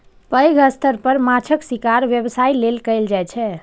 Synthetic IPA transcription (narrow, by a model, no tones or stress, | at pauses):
pəjɡəst̪ʰəɾpəɾmat͡ʃʰəksikaɾʋjebsailelkəɪld͡ʒajt͡ʃʰɛ